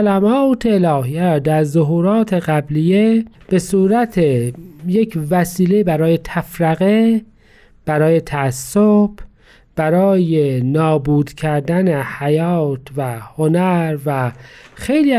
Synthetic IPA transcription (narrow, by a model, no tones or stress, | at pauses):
læmɒːt̪ʰeːlɒːhijæd̪æɾzoɦuːɾɒːt̪ʰe̞ɣæblije | b̥e̞suːɾæt̪ʰejecʰvæsiːlebæɾɒːje̞t̪ʰæfɾæɣe | b̥æɾɒːje̞t̪ʰæːsːob̥ | b̥æɾɒːjenɒːbuːd̪cʰæɾd̪ænehæjɒːt̪væhonæɾvæxejli